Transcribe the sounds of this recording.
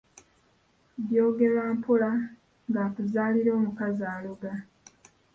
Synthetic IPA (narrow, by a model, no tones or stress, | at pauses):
βjo̞ːɡe̞laːmpʰula | ŋɡaːkuzaːliɾo̞ːmukazaːluɡa